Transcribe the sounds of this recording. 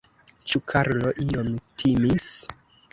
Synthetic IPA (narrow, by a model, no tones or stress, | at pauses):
t͡ʃukʰaɾloʔiomtʰimis